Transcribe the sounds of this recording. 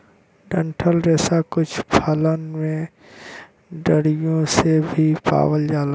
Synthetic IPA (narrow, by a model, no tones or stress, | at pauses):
ɖə̃ɳʈʰəlɾɛːsakʊt͡ʃʰpʰələnmẽ | ɖəɽijõsebʱipa̰ːʋəld͡ʒaːla